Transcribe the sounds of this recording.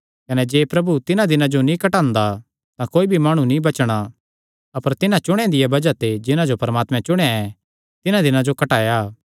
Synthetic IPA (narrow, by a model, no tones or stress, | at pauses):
kɐnɛd͡ʒeːpɾɐbut̪ɪnãd̪ɪnãd͡ʒonĩkɐʈãːnd̪a | t̪ãkoːibʱimaːɽ̃ũnĩbɐt͡ʃɽ̃a | ɐpəɾt̪ɪnãt͡ʃʊɽ̃ɛ̃d̪ɪjabɐd͡ʒat̪ed͡ʒɪnãd͡ʒopɐɾəmaːt̪mɛ̃t͡ʃʊɽ̃eaɛ | t̪ɪnãd̪ɪnãd͡ʒokɐʈaːjaː